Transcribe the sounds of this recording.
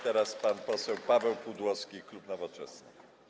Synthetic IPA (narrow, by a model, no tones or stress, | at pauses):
t̪ɛɾaspanpɔsɛwpavɛwpud̪wɔskʲiklupnɔvɔt͡ʂɛ̰snɘ